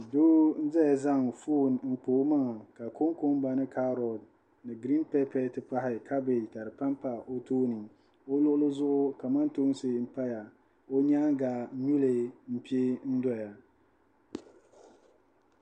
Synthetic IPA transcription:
doː˦n̩˦zɛ˦a˨za˦ŋfuː˦n˨ŋ̩˨k͡poː˨˦ma˦ŋa˨ka˨kʰo˦ŋko˦mba˨nɨ˦kʰa˦ɾɔ˨d | nɨ˨ɡɾi˦npɛ˦pɛ˨tɨ˨pa˦ɦɪ˦kʰa˦bɪ˨ta˨ɾɨ˨pa˦mpa˨ʔo˦toː˦nɨ˨ | o˦lʊ˦ʔʊ˦lʊ˦zʊ˦ʔʊ˦ka˨ma˦nto˦n˦sɪ˦m̩˦pa˦ja˨ | o˦ɲa˦ŋɡaː˨˦nu˦le˨m̩˦pi˦e˦n̩˦dɔ˦ja˨

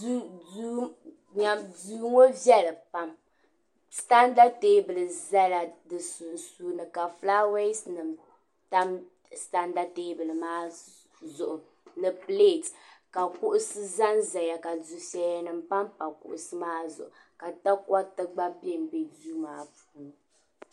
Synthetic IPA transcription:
du˦ | ɲa˦duː˦ŋo˦vjɛ˦lɨ˨pa˦m | sta˦nda˦te˦bɨ˨lɨ˨za˦la˨dɨ˨su˨n˨suː˦nɨ˨ka˨fla˦we˦snɨ˨m | ta˦m | sta˦nda˦te˦bɨ˨lɨ˨maː˦ | zʊ˨ʔʊ˨ | nɨ˨ple˦˨tka˨kʊ˦ʔʊ˦sɨ˦za˦nza˨ja˨ka˨zu˨sɛ˦ja˦nɨ˨mpa˦mpa˨kʊ̰˨ʔʊ̰˨sɨ˦maː˦zʊ̰˨ʔʊ˨ | ka˨ta˦ka˦tɨ˦ɡ͡ba˦pe˦˨mbe˨duː˦maː˦pu̥ː˨˦˨

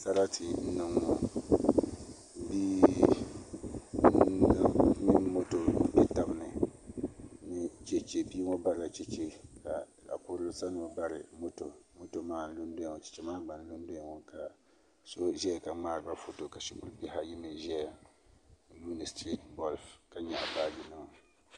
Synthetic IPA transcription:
sa˦ɾa˦tʰɪ˨n̩˦nɨ˨ŋɔ˦ | bi˦ | mi˦nmo˦to˨bɛ˦ta˨bɨ˨nɨ˨ | nɪ˦t͡ʃɛ˦t͡ʃe˦pi˦ŋɔ˦ba˦ɾa˨t͡ʃɛ˦t͡ʃe˦ka˨la̰˨kʊ˦ɾʊ˦sa˦nɨ˨ba˦ɾɪ̰˨mo˦to˨mo˦to˨maː˦n˦lu˦nde˦˨ŋɔ˨t͡ʃi̥˨t͡ʃɛ˦maː˦ɡ͡ba˨n˦lu˦ndo˦˨ŋɔ˨ka˨ | so˦ʒɛ˦a˨ka˨ŋ͡maː˦ɾɨ˨˦ba˦fo˦to˨ka˨ʃi˦kʊ˦ɾpi˦ɦa˦ji˦mɨ˨ʒɛ˦ja˨ | ju˦nɨ˨stɾi˦tbɔ˦lfka˨ɲɛ˨ʔa˨baː˦di˨nɨ˦˨ŋ˨

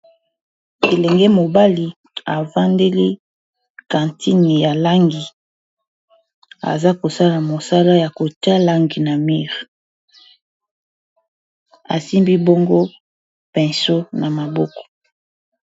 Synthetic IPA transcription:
e˨lɛ˨ŋɡe˦mo˨ba˦li˨ | a˨va˦nde˦li˦ | kã˨ntʰi˦ni˨ja˨la˦ŋɡi˨ | a̰˨za˦ko˨sa˦la˨mo˨sa˦la˦ja˨ko˨ta˦la˦ŋɡi˨na˨mi˦ʁ | a̰˨si˦mbi˦bo˦ŋɡo˦ | pɛ˨nso˦na˨ma˨bɔ˦kɔ̥˨

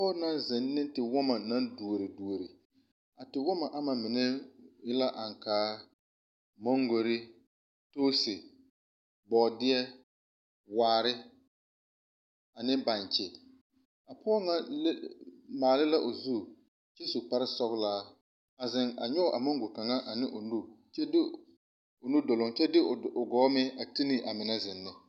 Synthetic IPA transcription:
a˨pɔː˦na˦nzɪ˨nːɪ˦n˦tɪ˨wɔ˦ma˨na˦ndu˨o˨ɾɪ˨du˨o˨ɾi˨ | a˨tɪ˨wɔ˦ma˨ʔa˦ma˨mɪ˨nɛ˦jɪ˦la˦ʔa˨ŋkaː˨˦ | mo˦ŋɡo˨ɾɪ˦ | toː˦sɪ˨ | bɔ˨dɪ˦ɛ˦ | waː˨ɾɪ˦ | a˨nɪ˦ba˨ɲt͡ʃɪ˨ | a˨pʰɔ˦ɔ˦ŋa˦lmaː˨lɪ˦la˦ʔo˨zu˦˨ | t͡ʃe˦su˨k͡pa˦ɾɪ˦sɔ˦ɣlaː˦ | a˨zɪ˨ŋa̰˨ɲɔ˦ʔa˨mo˦ŋɡʊ˨ka˨ŋa˦ʔa˨nɪ˦ʔo˨nu˦ | t͡ʃɛ˦dɪ˦ | ʊ˨nu˦do˨lʊ˨ŋt͡ʃɛ˦dɪ˦˨ʊ˨ɡɔː˨˦mɪ˦a˨ti˦ni˨ʔa˨mɪ˨na˦zɪ˨nːɪ˦

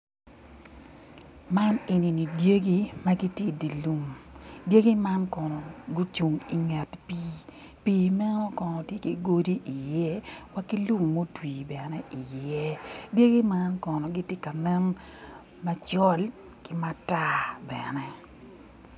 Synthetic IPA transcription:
ma˦ne˨ni˨ni˨dje˦ɡi˦ma˦ɡi˦tji˦di˨lu˦mde˦ɡi˦ma˦nkɔ˨nɔ˨ɡu˦t͡ʃu˨ŋi˨ŋɛ˨tpiː˦ | piː˦mɛ˦nɔ˦kɔ˨nɔ˨tje˦ki˨ɡo˦di˦ʔi˨jɛ˦wa˦ki˦lu˦mːo˦twiː˨bɛ˨nɛ˦ʔi˨jɛ˦dje˦ɡi˦ma˦nkɔ˨nɔ˨ɡi˦tje˦ka˨nɛ˦n | ma˦t͡ʃɔ˦l | kɪ˦ma˦ta˦bɛ˨nɛ˦

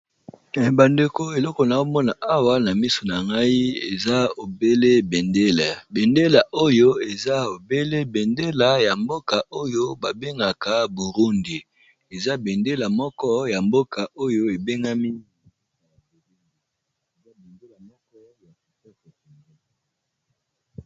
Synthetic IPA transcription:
ba˨nde˨ko˦e˨lɔ˦kɔ˨na˨o˦mɔ˦na˨ʔa˦wa˦na˨mi˦so˨na˨ŋɡa˦i˦e˨za˦o˨be˦le˦be˨nde˦la˨be˨nde˦la˨ʔo˦jo˦e˨za˦o˨be˦le˦be˨nde˦la˨ja˨mbo˦ka˨o˦jo˦ba˨be˦ŋɡa˨ka˨bu˨ʁu˦ndi˨ | e˨za˦be˨nde˦la˨mɔ˦kɔ˦ja˨mbo˦ka˨ʔo˦jo˦e˨be˦ŋɡa˦mi˦˨˦ | a˨e˨i˦˨ | e˨za˦be˨nde˦la˨mɔ˦kɔ˦ja˨ki˨sɔ˦kɔ˨ki˨ŋi˨

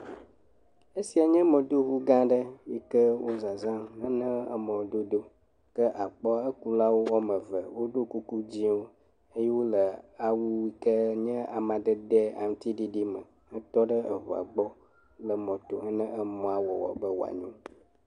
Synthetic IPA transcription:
e˦si˨a˨ɲɛ̃˦mə̃˨d̪o˦βu˦ɡã˦ɖə˦ji˦kə˦wo˦za˨zã˦nə̃˦nə̃˦ə̰˦mɔ̃˨d̪o˦d̪o˦ | kə˦ʔa˨k͡pɔ˦a˦ə˦ku˦la˦wo˦wɔ˦mə˨və˨wo˦ɖo˦ku˦ku˦d͡ʑi˦wo˦ | e˦je˦wo˦lə˨a˨wu˦wi˦kə˦ɲɛ̃˦a˨mã˨d̪ə˦d̪ɛ˦a̰˨m˨˦t̪i˦ɖi˦ɖi˦mə̰˨ | ŋə̃˦t̪ɔ˦ɖə˦ə˨βo˨a̰˨ɡ͡bɔ˦ | lə˨mɔ̃˨t̪o˨ŋə˦nə̃˦ʔə˦mɔ̃˨˦a˨wɔ˨wɔ̰˨bə˦wa̰˨ɲũ˦

